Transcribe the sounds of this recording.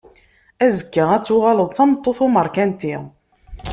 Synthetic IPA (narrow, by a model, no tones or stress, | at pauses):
æzəkːaʁæt͡sːʊʁaləðˤt͡sːɑmt̪ˤːoθʊməɾˤkænt̪i